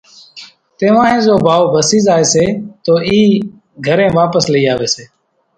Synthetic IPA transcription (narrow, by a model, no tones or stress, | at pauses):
t̪eːʋãːɦẽːzoːbʱaːoːbʱəsiːzaːeːseːt̪oːʔiː | ɡʱəɾẽːʋaːpəsləiːaːʋeːseː